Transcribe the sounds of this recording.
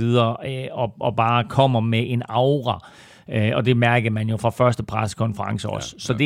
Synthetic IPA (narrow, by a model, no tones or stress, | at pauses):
iðˠɐːɒ̽ʔɒ̽b̥ɑ̈ːkʰɒ̽m̰ɐmeʔe̝nɑ̈ʊʁɑ | ɒ̽d̥e̝mæɐɡ̥ð̩ˠmænjo̝fʁɑ̈fɶɐsd̥əpʰʁaskʰɒ̽nfəʁɑ̈ŋsəɒ̽sːɒ̽d̥e